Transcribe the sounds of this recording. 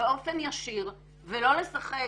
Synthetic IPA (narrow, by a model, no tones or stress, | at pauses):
eʔo̞fenjaʃiʁ | velo̞lesaχe